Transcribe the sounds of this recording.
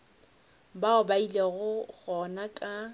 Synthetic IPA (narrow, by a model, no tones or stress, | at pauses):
baʊbaileɣʊɣɔnakʼa